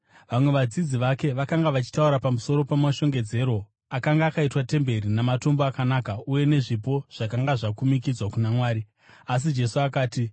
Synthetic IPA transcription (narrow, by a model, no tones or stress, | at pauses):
ʋamwe̞ʋad͡zid͡ziʋake̞ʋakaŋɡaʋat͡ʃi̥tauɾapamuso̞ɾo̞pamaʃo̞ŋɡe̞d͡ze̞ɾo̞ | akaŋɡaːkaitwate̞mbe̞rinamato̞mboakanaːkauje̞ne̞ʐipo̞ʐ̥akaŋɡaʐakumikid͡zwakunamwaːɾi | as̬id͡ʒe̞suakaːti